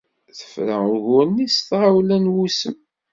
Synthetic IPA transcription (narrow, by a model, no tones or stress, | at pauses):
θə̥fɾə̰ʊʝʊnːist̪ʁawlænwusəm